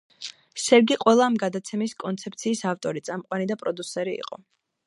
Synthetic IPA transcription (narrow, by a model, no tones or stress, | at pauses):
ʃɛɾɡiqʼwɛlˠaːmɡad̪at̪sʰɛmiskʼɔnt̪sʰɛp̚ʰt̪sʰiːsaft̪ʼɔɾit̪sʼamqʼwanid̪apʼɾɔd̪usɛɾḭːqʼɔ̰